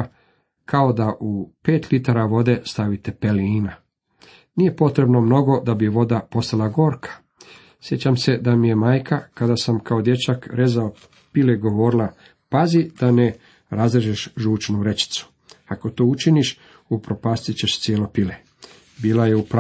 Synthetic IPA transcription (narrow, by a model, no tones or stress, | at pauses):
kʰao̞d̪aʔupe̞ːt̪lit̪aɾaʋo̞d̪e̞st̪aʋit̪e̞peliːna | nije̞po̞t̪ɾe̞bno̞mno̞ɡo̞d̪abiʋo̞d̪apo̞st̪alˠaɡo̞ːɾkʰḁ | sje̞t͡ɕamse̞d̪amije̞maːjkʰakad̪asamkʰao̞d̪je̞t͡ɕakɾe̞zao | pileɡo̞ʋo̞ːɾilˠa | pazid̪̥ane | ɾazeʒeʃʒuːt͡ʃnuɾe̞t͡ɕi̥t̪su̥ | ako̞t̪oːut͡ʃiniʃ | upɾo̞paːst̪it͡ɕe̞ʃt̪sjeːlo̞pile | biːlaje̞up